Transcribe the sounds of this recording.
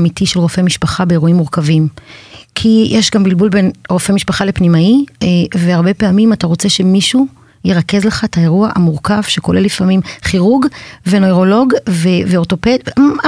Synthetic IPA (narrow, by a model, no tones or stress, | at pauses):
mitiʃelʁofemiʃpaχabeeʁuimːuʁkavimkʰijʔeʃɡambilbulbenʁo̞femiʃpaχalepnimaieveaʁbe̞pe̞amimataʁo̞t͡seʃe̞miʃu | jeʁake̞zleχaetae̞ʁuaʔa̰muʁkav̥ʃeko̞lelifamimχiʁuɡvenojʁo̞lo̞ɡveveo̞to̞ped